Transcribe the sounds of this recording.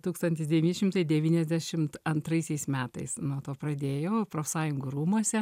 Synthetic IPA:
t̪uːkst̪ɐnʲt̪ʲɪsd̪ʲɛʋʲɪːnʲɪʃʲɪmt̪ɐɪd̪ʲɛʋʲiːnʲɛzʲd̪ʲæʃʲɪmt̪ɐnt̪ɾɐɪsʲɛɪsmʲæːt̪ɐ̰ɪsnuɔt̪oːpɾɐd̪ʲeːjoːpɾoːfʲsɑːjʊŋɡuɾuːmuɔsʲɛ

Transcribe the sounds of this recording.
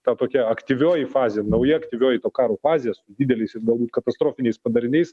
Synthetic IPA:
t̪ɑːt̪oːkʲɛɐkt̪ʲiʋʲoːjifɑːzʲɪjɛnɐʊjɛɐkt̪ʲiʋʲoːjɪt̪oːkɑːɾoːfɑːzʲɪjɛsʊd̪ʲiːd̪ʲɛlʲɛɪsɪɾɡɐlˠbuːt̪kɐt̪ɐst̪ɾoːfʲɪnʲɛɪspɐd̪ɐɾʲɪnʲɛɪs

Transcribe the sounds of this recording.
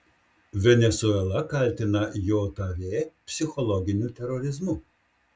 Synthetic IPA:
ʋʲɛnʲɛsuɛlˠɐkɐlʲt̪ʲɪnɐjoːt̪ɐɾʲeːpʲsʲɪxɔlˠɔɡʲɪnʲut̪ʲɛɾɔɾʲɪzmʊ

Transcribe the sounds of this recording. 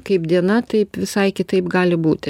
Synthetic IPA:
kɐɪpd̪ʲiɛnɐt̪ɐɪpʋʲɪsɐɪkʲɪt̪ɐɪpɡɑːlʲɪbuːt̪ʲɪ

